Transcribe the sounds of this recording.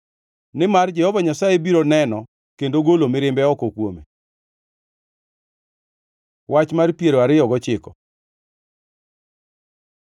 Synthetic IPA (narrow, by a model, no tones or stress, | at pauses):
nɪmard͡ʒɛhɔvaɲasajebiɾonɛnɔ | kendoɡolomɪɾɪmbɛɔkokwomḛ | wat͡ʃmarpjeɾoaɾɪjɔɡɔt͡ʃɪkɔ